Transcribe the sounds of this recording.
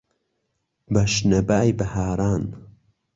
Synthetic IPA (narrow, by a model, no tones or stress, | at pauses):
bɐʃnɐbaːjbɐhaːɾaːn